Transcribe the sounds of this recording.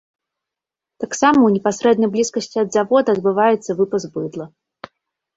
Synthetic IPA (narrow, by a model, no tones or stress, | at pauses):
t̪aksamɐwnʲɛpasʲɾɛd̪nɐjblʲiskɐsʲt͡sʲiɐd̪zavɔd̪ɐːd̪bɨvajɛt̪sːɐvɨpɐzbɨd̪lˠɐ